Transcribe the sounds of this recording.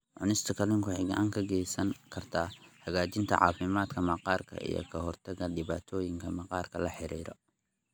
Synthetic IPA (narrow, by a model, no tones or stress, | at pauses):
ʕʊnɪst̪ʰɐkʰɐlɪŋkʰʊħɪɡɐʔaːŋkʰɐɡɛjsɐŋkʰɐrt̪ʰaːhɐɣaːt͡ʃɪnt̪ʰɐ̰ʕɑ̰ːfɪmaːd̪kʰɐmɐqɑːrkʰɐ̰ʔḭjɔ̰kʰɐɦɔrt̪ʰɐɣɐɖɪβaːt̪ʰɔːjɪŋkʰɐmɐqɑːrkʰɐlɐħɪɾiːɾɔ̰